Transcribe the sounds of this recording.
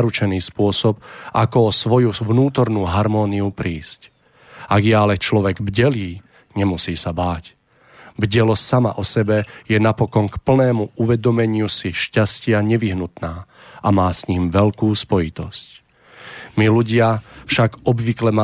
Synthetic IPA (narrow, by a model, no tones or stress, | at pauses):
ɾut͡ʃɛniːspʊɔsɔbʔakɔɔsʋɔjuʋnuːt̪ɔɾnuːɦaɾmɔːniupɾiːsc | aɡjaːlɛt͡ʃlɔʋɛɡbɟɛliː | ɲɛmusiːsabaːc | bɟɛlɔssama̰ʔɔsɛbɛjɛnapɔkɔnkpl̩nɛːmuuʋɛd̪ɔmɛɲɪusiʃcascɪaɲɛʋiɦnut̪naː | ʔamaːsɲiːmʋɛʎkuːspɔjit̪ɔsc | miluɟɪafʃaɡɔbʋiklɛma